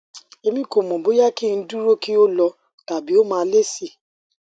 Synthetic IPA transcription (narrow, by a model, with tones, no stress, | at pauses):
e˨˧mĩ˦ko˨mɔ̃˨bo˨˦ja˦ki˦˨n̩˦du˦ɾo˦ki˦o˦lɔ˧ | ta˨bi˨˦o˦mãː˦˧˦le˦si˦˨